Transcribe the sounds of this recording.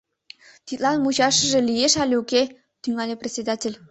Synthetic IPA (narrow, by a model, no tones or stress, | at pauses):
t̪it̪lɑnmut͡ɕɑʃə̆ʒĕlʲijeʃɑlʲeukʲe | t̪yŋɑlʲeprʲesʲed̪atʲelʲ